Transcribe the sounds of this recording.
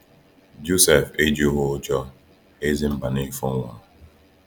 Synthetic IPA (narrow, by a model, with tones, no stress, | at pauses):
d͡ʒu˦se˨fe˦d͡ʒi˨ʊ˦ɦʊ˦ʊ˦t͡ʃɔ˦ | e˦zi˦m̩˦ba˨ni˦fʊ˦ŋʷa˨